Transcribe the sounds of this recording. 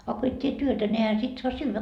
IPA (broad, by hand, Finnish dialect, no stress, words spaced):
ɑ ko et tʲie tyøtæ ne ehæ sit soɑ syːʋæ